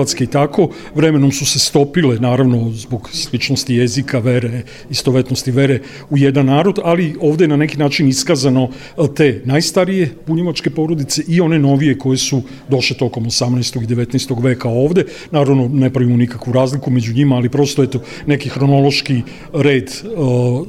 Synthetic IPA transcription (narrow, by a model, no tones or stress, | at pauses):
at̪ske̞it̪akʰo̞ | ʋɾe̞me̞no̞msuse̞st̪o̞pile̞naːɾaʋno̞zboɡslit͡ʃno̞st̪ije̞zikʰaʋe̞ɾe | ist̪oʋe̞t̪nost̪iʋe̞ɾe̞ | uje̞d̪anːaːɾo̞d̪alio̞ːʋd̪eenane̞kinaːt͡ʃiniskaːzano̞ | t̪e̞ːnajst̪aɾije̞puɲeʋat͡ʃke̞po̞ɾo̞d̪it̪se̞ʔio̞ne̞no̞ʋije̞ko̞je̞su | d̪o̞ʃlet̪o̞ko̞mosamnɛjst̪o̞ɡid̪e̞ʋe̞t̪nɛst̪o̞ɡʋe̞ːkao̞ːʋd̪e̞ | naːɾaʋno̞ne̞pɾaʋimonikakʋuɾaːzlikume̞d͡ʑuɲimaːlipɾo̞st̪oet̪o̞ | ne̞kixɾo̞no̞lˠo̞ʃki | ɾe̞ːd̪